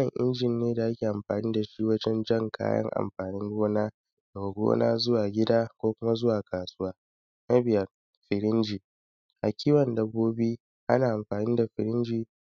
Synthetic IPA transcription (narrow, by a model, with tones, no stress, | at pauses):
ɐ˨ŋʔɪ̰˦nd͡ʒɪ˨nːeː˦da˨ʔa˦kʲiː˨ʔa˨mɸaː˨niː˦da˨ʃi˦wɐ˦d͡ʒɛ˦nd͡ʒɐ˦˨ŋkʰa̰ː˦jɐ̰˦ŋʔa̰˨mɸaː˨nɪ˦ŋɡʷoː˦naː˦ | do˨ɡʷo̰ː˦na̰ː˦zʊ˦waː˨ɡʲɪ˦daː˦kʷoː˦kʷʊ˦ma˦zʊ˦waː˨kaː˨sʊ˦waː˦ | na˦bɪ˨jɐ˦ | ɸɪ˨ɾɪ˦nd͡ʒiː˨ | ʔa̰˨kʲiː˦wɐ˨ndɐ˦boː˦bi˦ | ʔa̰˦naː˨ʔa˨mɸaː˨niː˦da˨ɸɪ˨ɾɪ˦nd͡ʒiː˨